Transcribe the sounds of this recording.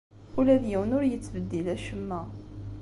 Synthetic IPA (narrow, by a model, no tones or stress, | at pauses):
ulæðjiwənʊɾjət͡sːvəd̪ːilæʃəmːæ